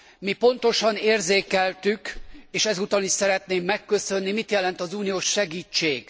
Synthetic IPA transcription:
mipo̞nt̪o̞ʃɒneːrzeːkɛlt̪ykeːʃɛzut̪ɒniʃsɛɾɛt̪neːmːɛkːø̞sø̞nːimit̪jɛlɛnt̪ɒzuːnijoːʃːɛɡiːt͡ʃːeːɡ̥

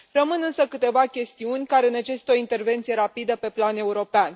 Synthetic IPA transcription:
rəmɨnɨnsəkɨt̪e̞vakʲe̞st̪iunʲkaɾeɨnat͡ʃe̞st̪o̞int̪e̞rve̞nt̪sije̞ɾapid̪əpe̞plane̞uɾo̞pean

